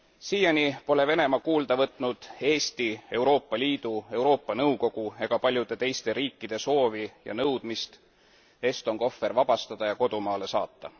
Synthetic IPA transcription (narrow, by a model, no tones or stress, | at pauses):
siːjɑnʲipo̞le̞ve̞ne̞mɑkuːld̪ɑvɤt̪ˑnud̪̥e̞ːst̪ie̞wɾo̞ːpːɑlʲiːd̪̥ue̞wɾo̞ːpːˑɑnɤwko̞ɡ̥ue̞ɡ̥ɑpɑlʲjud̪̥e̞t̪e̞jst̪e̞ɾiːkːid̪̥e̞so̞ːvijɑ̰nɤwd̪̥mist̪ | e̞ːst̪o̞ŋko̞fːe̞rvɑb̥ɑst̪ɑd̪̥ɑjɑko̞d̪̥umɑːle̞sɑ̰ːt̪ːˑɑ